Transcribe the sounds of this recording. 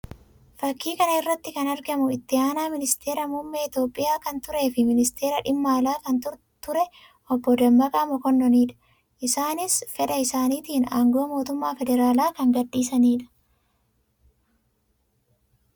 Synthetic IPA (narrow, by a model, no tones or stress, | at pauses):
fɐkːiːkɐnɐɪrːɐt̪ːɪkɐnɐɾɡɐmʊɪt̪ːɪaːnaːmɪnɪst̪ʰe̞ːɾɐmumːeɪt̪jo̞ːpʼːɪjaːkɐnt̪ʊɾe̞ːfɪmɪnɪst̪ʰe̞ːɾɐᶑɪmːaːlaːkɐnt̪ʊɾ | t̪ʊɾɛ | ʔɔbːɔd̪ɐmːɐkʼamɔkɔnːɔniːᶑɐ̥ | ʔɪsaːnɪsfɛᶑɐɪsaːniːt̪iːna̰ːŋɡoːmo̞ːt̪ʊmːaːfɛd̪ɛɾaːlaːkɐŋɡɐdːiːsɐniːᶑɐ̥